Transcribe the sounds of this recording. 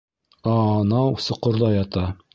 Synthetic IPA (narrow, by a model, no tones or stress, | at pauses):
ɑnɑwsŏqŏɾðɑjɑt̪ɑ